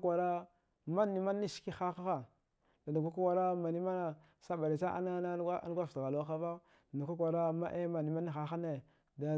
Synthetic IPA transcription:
kʷa˨ɾa˦ | ma˦nːi˨ma˦nːi˦ʃki˦xa˦xa˦xa˨ | da˨da˨ɡa˦ka˦kʷa˨ɾa˦ma˨ni˦ma˦na˨ | sa˦ba˨ɾi˨t͡ʃa˦ʔa̰˦na˦na˦a̰˦ɡʷa˦ftɣa˨lo˦xa˦va˦˨ | na˨ka˦kʷa˨ɾa˦ma̰˦ʔe˦ma˨ni˨ma˦ni˦xa˦xa˦ne˨ | da˨

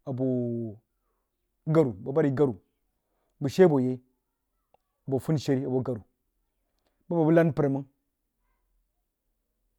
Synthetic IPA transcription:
a˨bo˨ | ɡa˦ɾu˨ba˨ba˦ɾi˨ɡa˦ɾu˨ | bu˨ʃe˦bo˨je˦ | a˨bo˨fu˦n˨ʃe˦ɾi˦a˨bo˨ɡa˨ɾu˨ | ba˦ba˨bu˦la˦npɾe˨mu˦ŋ

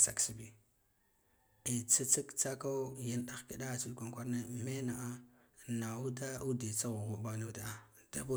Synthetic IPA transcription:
sa̰˨ksi˨bi˨ | i˨t͡sa˦t͡sa˦kt͡sa˦ka˦ja˦nɗa˦˨ki˨da˦˨t͡ʃi˦dkʷa˦ŋkʷa˦ɾna˦me˦na˨ʔa˦ | na˨u˦da˦u˦de˨t͡sa˦ɣu˨ɣu˨ba˦nu˦da˨a˨ | d̥a̰˦bu˦

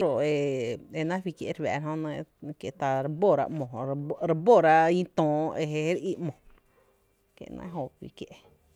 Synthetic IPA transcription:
ɾo˨e˧e˧nã˦fwi˧kjḛ˧ʔɾwɛ̰ː˨ɾa˧ɦõ˧nə̃˧ke˨t̪a˧ɾbo˦˨ɾa̰˧ʔmõ˨ɾe˧bo˦˨ɾa˧ʔĩ˦t̪õː˨ʔe˧ɦe˧e˦ɾi˦mõ˨ | kḛ˨nã̰˧˦ɦo˧wḭ˧˨kje˧ʔ

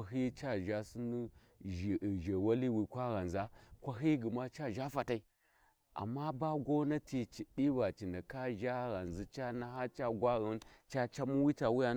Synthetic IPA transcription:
a˨ɦi˦t͡ʃa˦ʒa˦si˦ni˦˨ | ʒe˨wa˦li˦wi˨kʷa˦ɣa˨nza˦kʷa˦ɦi˦ɡə˨ma˦t͡ʃa˦ʒa˦fa˨ta˦i˦ | a̰˨mːa˦ba˦ɡo˦na˦ti˨t͡ʃi˨ɗi˦ba˨t͡ʃi˨na˨ka˦ʒa˦ɣa˨nzi˦t͡ʃa˦na˦ɦa˦t͡ʃa˦ɡʷa˦ɣə˦nt͡ʃa˦t͡ʃa˦mu˦wi˦ta˨wi˦ja˦

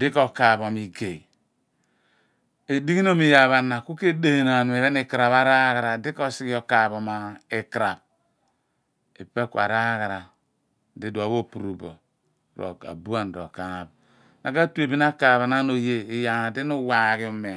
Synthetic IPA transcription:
di˦ko˨ka˨βo˨mi˨ɡe˨i˨ | e˨di˦ɣi˦no˦mi˨ja˨βa˨na˨ku˦ke˦de˦˨na˨nu˨e˨βe˦ne˦˨kɾa˨βa˦ɾa˦ɣa˨ɾa˨di˦ko˦si˦ki˦o˨ka˨βo˨ma˨e˨kɾa˨b̚ | e˨pe˦ku˦˨a̰˨ɾa˦ɣa˨ɾa˨ | di˦da˨˦βo˦pu˨ɾu˨bo̰˨ | ɾo̰˨ka̰˨bu˦a˦˨n̩˨ɾo̰˨ka˨ŋa˨b | na˨ɡa˦tu˦e˨bi˦na˦ka˨βa˨na˦no˨je˦i˨ja˨na˨di˦nu˦wa˨ɣi˨˦u˨me˨

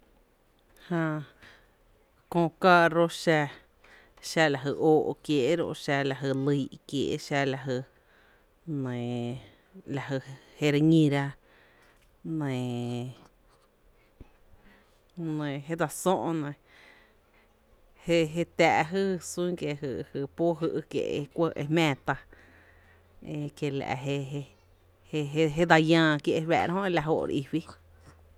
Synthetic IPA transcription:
hã˧ | kõː˧kaː˧ɾo˦ʃa˧ | ʃa˧la˨ɦə˧ʔoː˧˨ʔkje˧ʔɾo̰˧ʃa˧la˧˨ɦə˧˨lɨ˧i˧kjḛː˨ʔʃa˧la˧ɦə˧ | nẽ˨ | la˨hə˧he˧ɾa˧ɲĩ˧ɾa˧ | nẽ˨ | nə̃˨ɦe˦d̪a˧sõ˦ʔõ˧nẽ˨ | he˦ɦe˧t̪æː˧ʔɦɨ˦sũ˦ŋke˧ɦɨ˧hɨ˧po˦ɦɨ˧ʔkjḛ˧˨ʔe˧kʷə˧ʔḛ˧mɛ̃ː˧˨t̪a˧ | e˧kje˧la̰˨ʔɦe˧ | he˦ɦe˦d̪a˧jãː˧kje˧ʔβɛ̰ː˧˨ɾa˧ɦõ˦e˧la˨ɦo˧˨ʔɾ̰ʔi˧wi˦

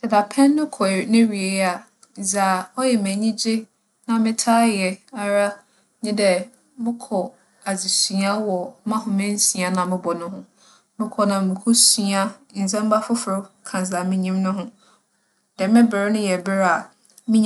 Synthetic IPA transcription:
dɛ˨da˨pʰɛ̃˦nːʊ̃˦kʰɔ˨nɪ̃˦ɾi˨e˨˦a˨ | za˨ɔ˦jɛ˨mɛ̃˨ɲĩ˦d͡ʑɪ˦ | nã˨mɪ̃˦tʰaː˦jɛ˨a˨ɾa˦ | nɪ̃˦dɛ˨ | mɪ̃˦kʰɔ˨ | a˨d͡zi˨sɥa˦wɔ˨˦mã˦hʊ̃˨mɪ̃˦n̩˦si˨a˨nã˨mɪ̃˦bɔ˨nʊ̃˦ɦʊ̃˦ | mɪ̃˦kʰɔ˨nã˨mɪ̃˨kʰu˦si˨a˦˨n̩˨d͡zɛ̃˦m˦ba˦fʊ˦fʊ˨ʊ˦kʰã˨za˨mɪ̃˦ɲĩ˦mnʊ̃˦ɦʊ̃˦ | d̥ɛ˨mɪ̃˦bɪ˨ɾnʊ̃˦jɛ˨bɪ˦ɾa˨ | mɪ̃˦ɲ˨

